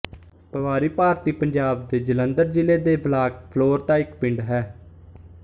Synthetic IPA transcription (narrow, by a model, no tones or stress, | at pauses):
pəʋaːɾiːpaːɾt̪iːpəɲd͡ʒaːb̚d̪eːd͡ʒələnd̪əɾd͡ʒɪleːd̪eːblaːkpʰloːɾt̪ãːɪkpɪɳɖɦɛː